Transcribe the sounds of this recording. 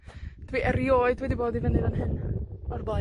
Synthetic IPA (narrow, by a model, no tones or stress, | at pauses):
d̥wiʔɛɾjoːɨdwɛdiboːdivɛnɨɾanɦɨnɔrbɔː